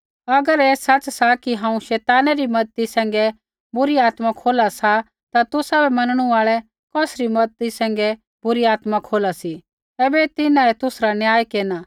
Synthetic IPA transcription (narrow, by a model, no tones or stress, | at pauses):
ɐɡəɾeːsɐt͡ʃsakiɦãːũʃɛːt̪aːnaɾimɐd̪̚t̪isɛ̃ːŋ̆ɡɛ | bʊɾiaːt̪makʰoːlasa | t̪at̪ʊsabɛmɐnəɽ̃uaːɭɛ | kɔːsɾimɐd̪̚t̪isɛ̃ːŋ̆ɡɛ | bʊɾiaːt̪makʰoːlasi | eːbɛt̪ɪnãɛt̪ʊsɾanjaːjkeːnaː